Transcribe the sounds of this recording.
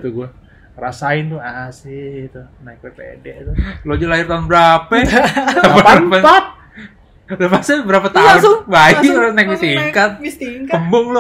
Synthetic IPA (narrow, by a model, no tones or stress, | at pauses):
t̪uɡuɛ | rasaɪnt̪ʊasɪt̪u | nak̚bɛpḛdɛʔt̪ulod͡ʒulaɪrt̪aʊnbəɾapɛ | bəɾapa | lopasabəɾapat̪aʊnbainajk̚bist̪iŋkat̪̚it̪iŋkpəmbʊŋlʊ